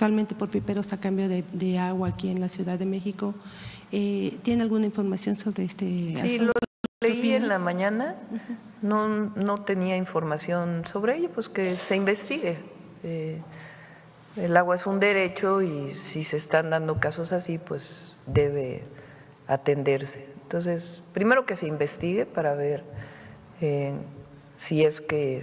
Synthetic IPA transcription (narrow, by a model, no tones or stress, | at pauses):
kt̪walment̪epo̞ɾpipeɾosakambjoðed̪eaɣwaːkienlasjuðaðe̞me̞xiko̞et̪je̞nealɣunaiɱfo̞ɾmasjo̞nso̞βɾeest̪ea̰iooleienlamãɲãna | nono̞t̪e̞niaiɱfo̞ɾmasjo̞nso̞βɾeeʝopweskese̞imbe̞st̪iɣe | e | elaɣwaesund̪e̞ɾe̞t͡ʃo̞isiseːst̪and̪ãnd̪o̞kaso̞sasipwe̞z | d̪e̞βe | at̪e̞nd̪e̞ɾse̞ːnt̪o̞ns̬e̞spɾime̞ɾo̞ke̞se̞imbe̞st̪iɣe̞paɾaβe̞ɾ | e | sie̞ske